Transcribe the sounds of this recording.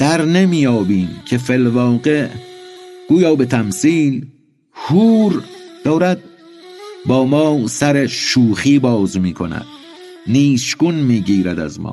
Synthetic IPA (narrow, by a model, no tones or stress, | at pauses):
d̪̥æɾnemiːjɒːbiːmcʰe̞felvɒːɢeʔ | ɡ̥uːjɒːbe̞t̪ʰæmsiːl | huːɾd̪̥ɒːɾæd̪̚ | bɒːmɒːsæɾeʃuːxiːbɒːzmiːkʰonæ̰d̪̥̚ | niːʃɡunmiːɡiːɾæd̪æ̰zmɒ̰ː